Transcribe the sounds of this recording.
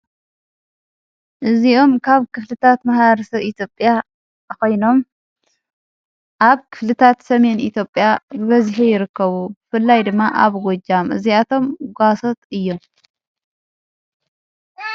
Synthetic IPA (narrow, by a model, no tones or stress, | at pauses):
ʔɨziʔo̞mkʰaβkʰɨflɨt̪ʰat̪mahβɾɐsɐβit̪ʰjo̞pʼja | ko̞jno̞m | ʔaβkʰɨ̥flɨt̪ʰat̪sɐme̞nʔit̪ʰjo̞pʼjabβɐzħijɪɾɨkʰːɐβubɨfɨlːajd̪ɨmːaʔaβɡod͡ʒːamʔɨ̰ziat̪ʰo̞mɡʷasot̪ɨjːo̞m